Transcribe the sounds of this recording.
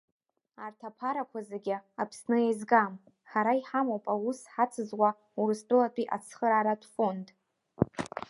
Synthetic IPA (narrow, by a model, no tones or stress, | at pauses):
artʰapʰaɾakʷʰazeɡʲɪapʰsnɨjajzɡam | χaɾaiħamowpʼawusħat͡sʰɨzwʷa | uɾɨst͡pʼɨlatʷʰʼiʔa̰t͡sʰχəɾaɾatʰʼfo̞ndʼ